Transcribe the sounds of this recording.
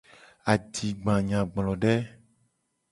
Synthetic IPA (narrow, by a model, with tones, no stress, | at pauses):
a˨d̪i˨ɡ͡bã˨ɲã˨ɡ͡blɔ̃˨ɖɛ˦